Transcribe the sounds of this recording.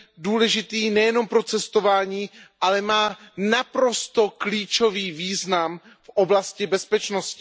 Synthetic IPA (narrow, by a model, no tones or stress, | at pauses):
duːlɛʒɪt̪iːnɛjɛno̞mpɾot͡sɛst̪o̞vaːɲiːʔalɛmaːnapɾo̞st̪okliːt͡ʃo̞viːviːznam | fʔoblascɪbɛspɛt͡ʃnoscɪ